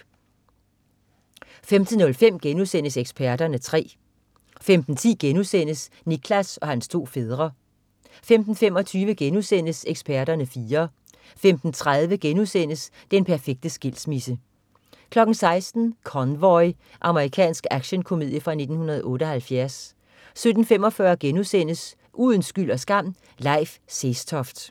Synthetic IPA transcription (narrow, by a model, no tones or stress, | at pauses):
femd̥ʰənɔ̽lfem̰ɡ̥enusen̰əseɡ̥sb̥ʰæɐd̥ɐnət͡sʰʁɛ̰ː | femd̥n̩t͡sʰḭːɡ̥enusen̰əs | nikʰlæsɒ̽hænst͡sʰo̝̰ːfe̝ð̞ˠʁɐ | femd̥n̩fem̰ɒ̽t͡sʰyːʋəɡ̥enusen̰əseɡ̥sb̥æɐɾɐnəfiːɐ | femd̥n̩t͡sʰʁaðˠʋəɡ̥enusen̰əs | d̥enpʰæɐfeɡ̥̚d̥əsɡ̥el̰smisə | kʰlɒ̽ɡ̥n̩sɑ̈ɪsd̥n̩kʰɒnʋɒɪ | ʔɑ̈məʁikʰɛ̰ːnsɡ̥æɡ̥ɕənkʰo̝mḭð̰ˠjəfʁɑ̈ne̝d̥n̩hunɐð̩ˠʔɔ̽ːɾəɒ̽hælfjæɐsː | ød̥n̩femɒ̽fɶɐɡ̥enusen̰əs | ʔuð̰ˠən̩sɡ̥yl̰ɒ̽sɡ̥ɑ̈m̰ | lɑ̈ɪfsesdʰɒ̽fd̥